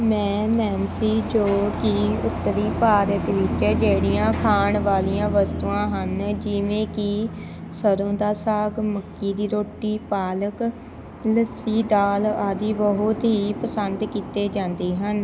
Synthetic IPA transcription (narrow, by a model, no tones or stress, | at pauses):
mɛ̃ːnɛːnsiːd͡ʒoːkiʊt̪ːəɾiːpaːɾət̪ʋɪt͡ʃd͡ʒeːɽijãːkʰaːɳʋaːlijãːʋəst̪uːãːɦənd͡ʒɪʋẽːkɪ | səɾõːd̪aːsaːɡməkːiːd̪iːɾoːʈiːpaːlək | ləsiːd̪aːlaːd̪iːʋəɦot̪ɦiːpəsənd̪kiːt̪eːd͡ʒãːnd̪eːɦən